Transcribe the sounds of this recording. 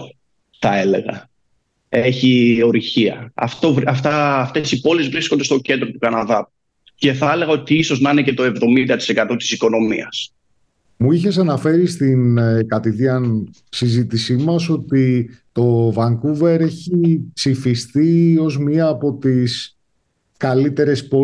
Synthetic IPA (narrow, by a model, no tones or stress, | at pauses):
θɐe̞le̞̰ɣɐ̰ | eçio̞ɾiçiɐ̰ɐ̰ft̪o̞vɐft̪ɐft̪e̞sipo̞lezvɾisko̞nd̪e̞st̪o̞ce̞nd̪ɾo̞t̪ukɐnɐðɐp | ce̞θɐele̞ɣɐo̞t̪iiso̞znɐinecet̪o̞e̞vðo̞mind̪ɐt̪i̥se̞kɐt̪o̞t̪i̥siko̞no̞mḭɐs | muiçe̞s̬ɐnɐfe̞ɾist̪inkɐt̪iðiɐn | sizit̪isimɐso̞t̪it̪o̞vɐŋkuve̞ɾe̞çipsifist̪io̞zmɲiɐːpo̞t̪is | kɐlit̪e̞ɾe̞spo̞